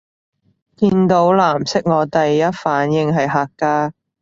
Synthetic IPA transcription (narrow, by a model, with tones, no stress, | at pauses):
kiː˧nt̪o˨˧˥wlaː˨˩msɪ˥k̚ŋɔː˨˧t̪ɐ˨jːɐ˥t̚faː˨˥njɪ˧ŋɦɐ˨jɦaː˨˧kːaː˥